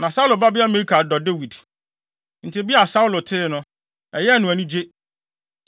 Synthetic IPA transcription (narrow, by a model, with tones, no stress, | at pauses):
nã˨sa˦u˦lʊ˨ba˦bɪ˦a˦me˨ɾi˦kʰa˨dɔ˨de˦wi˨d | n̩˨tʰɪ˦bi˦a˨sa˦u˦lʊ˨tʰɪ˦nʊ̃˦ | ɛ˨jɛ˦˨nʊ̃˨æ˨nĩ˦d͡ʑe˦